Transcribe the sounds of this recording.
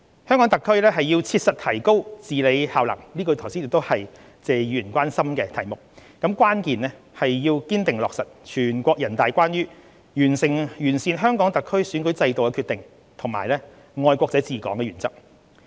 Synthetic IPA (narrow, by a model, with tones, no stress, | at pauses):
hœː˥ŋkɔː˨˥ŋt̪ɐ˨kʰːɵ˥ɥlɛː˥ɦɐ˨jjiː˧wt͡sʰiː˧t̚sɐ˨t̚t̪ʰɐ˨˩jko˥wt͡siː˨le˨˧jhaː˨wlɐ̰˨˩ŋliː˥kɔ˧t̪ʰɐ˨˩wsiː˥njɪ˨k̚t̪o˥whɐ˨j | t͡sɛː˨jyː˨˩nkʷaː˥nsɐ˥mkɛː˧t̪ʰɐ˨˩jmʊ˨k̚kɐ˨˥mkʷwaː˥nkiː˨nɛː˥ | hɐ˨jːiː˧wkiː˥nt̪ɪ˨ŋlɔː˨k̚sɐ˨t̚t͡ʃʰyː˨˩nkʷɔː˧k̚jɐ˨˩nt̪aː˨jkʷaː˥njyː˥ | jyː˨˩nsɪ˨ŋjyː˨˩nsiː˨˧nɦœː˥ŋkɔː˨˥ŋt̪ɐ˨kʰːɵ˥ɥsyː˨˥nkɵ˨˥t͡sɐ˧jt̪o˨wkɛ˧kʰy˧t̪ɪ˨ŋ | t̪ʰʊ˨˩ŋmaː˨jlɛ˥ | ŋɔː˧jkʷɔː˧k̚t͡sɐ˨˥jt͡siː˨˩kɔ̰ː˨˥ŋkɛː˧ɥyː˨˩nt͡sɐ˥k̚